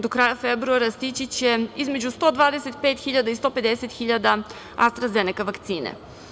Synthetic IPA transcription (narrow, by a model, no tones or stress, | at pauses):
d̪okɾaːjafebɾuaɾast̪it͡ɕit͡ɕeizme̞d͡ʑust̪o̞ːd̪ʋaːd̪eset̪peːt̪xiʎad̪aist̪o̞pe̞d̪eset̪xiʎad̪a | ast̪ɾazenikaʋakt̪siːnḛ